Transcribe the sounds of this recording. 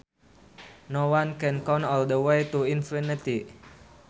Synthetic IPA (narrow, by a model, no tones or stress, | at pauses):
nowankɛnkɔnɔldəwet̪uinfinit̪i